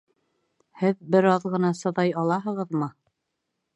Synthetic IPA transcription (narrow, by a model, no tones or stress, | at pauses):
hɘðbɘ̆ɾɑðʁɤ̆nɑsɤ̆ðɑjɑlˠɑɦɤ̆ʁɤðmɤ